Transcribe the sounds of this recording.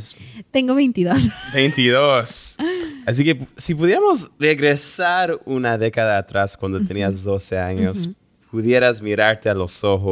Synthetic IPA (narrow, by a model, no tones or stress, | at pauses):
st̪ẽŋɡoβẽjnt̪iðosbejnt̪iðos | as̬ikesipuðjeamozreɣɾesaɾunaðekaðaːt̪ɾaskwãnd̪ot̪eniazðoseaɲos | puðjeɾazmiɾaɾt̪ealosoxo